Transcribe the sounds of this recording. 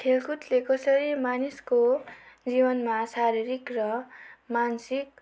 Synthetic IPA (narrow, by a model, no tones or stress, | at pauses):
ʈʰelkʰut̪lekʌsʌɾimaniskod͡zibʌnmasaɾiɾikrʌmansik̚